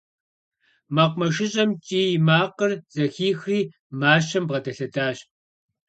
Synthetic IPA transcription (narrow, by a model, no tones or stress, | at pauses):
maqʷʊmɐʃɪɕʼɐmt͡ʃʼiːjmaːqərz̥ɐxiːxriː | maːʃɐmbʁɐdɐɬɐdaːɕ